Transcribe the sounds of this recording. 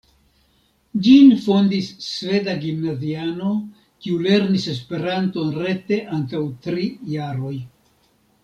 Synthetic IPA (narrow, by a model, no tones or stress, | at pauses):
d͡ʒinfo̞ndisːve̞daɡimnaziano̞ | kiule̞ɾnise̞s̬pe̞ɾanto̞nɾe̞te̞ʔaŋkawtɾijaɾo̞j